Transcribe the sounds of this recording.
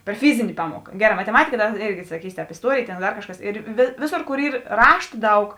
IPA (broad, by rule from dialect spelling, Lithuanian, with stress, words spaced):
pʲɛr ˈfʲɪzʲɪnʲɪ ˈpɑːmuɔkɐ ˈɡʲæːˌrɑː mɐtʲɛˈmɑːtʲɪkɐ ˈdɐr ˈeːrʲɡʲɪ sɐˈkʲiːsʲɪ ˈtʲɛːp ɪsˈtuɔrʲeːjeː ˈtʲeːn ˈdɐr ˈkɑːʃˌkɐs ɪr ˈʋʲeːˌsoːr ˈkoːr ˈiːr ˈrɑːʃtɐ ˈdɐʊk